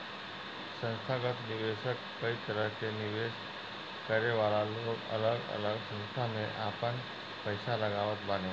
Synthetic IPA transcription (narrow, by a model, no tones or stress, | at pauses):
sə̃nst̪ʰaɡət̪nɪʋeʃəkːəit̪əɾəɦkenɪʋeːʃ | kəɾeʋalaloːɡə̰ləɡə̰ləɡsə̃nst̪ʰamẽʔapən | pəɪsaləɡaʋət̪̚bane